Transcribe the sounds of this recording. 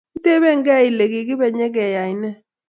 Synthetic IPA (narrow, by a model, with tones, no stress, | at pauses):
i˦te˦bɛ˦˨ŋɡɛ˦˨i˨le˨ɡi˨ɡɪ˦bɛ˨ɲɛ˦ɡɛ˨ja˨i˨nɛ˦